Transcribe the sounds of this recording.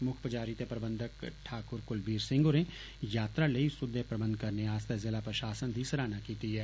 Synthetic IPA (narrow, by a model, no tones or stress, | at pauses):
mʊkʰpəd͡ʒaːɾit̪epɾɐbə̃nd̪ʱəkʈʰaːkʊɾkʊlbiːɾsɪ̃ŋɡʊɾẽ | jaːt̪ɾaleisʊd̪ʱepɾɐbə̃nd̪̚ʱkɐɾneaːst̪əzɪlapɾəʃaːsənd̪ʱisɐɾaːnakiːt̪iɦɛː